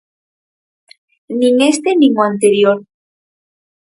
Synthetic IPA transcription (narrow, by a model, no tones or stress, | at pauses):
nĩŋest̪enĩŋoant̪eɾjoɾ